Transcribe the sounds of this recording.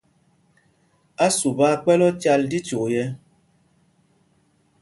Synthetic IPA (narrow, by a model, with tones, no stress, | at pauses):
a˦su˨ba˦k͡pɛ˦lɔ˦t͡ʃa˦ldi˦t͡ʃo˨jɛ˦